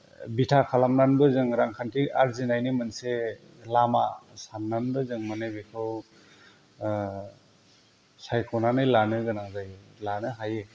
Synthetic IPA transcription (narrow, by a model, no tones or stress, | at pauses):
bitʰakʰalamnanbɯzɯŋɾaŋkʰantʰiaɾzinajnimɯnse | lamasanːanbɯzɯŋmanɯbikʰɯw | sajkʰɔnanɯjlanɯɡɯnazajlanɯɦaje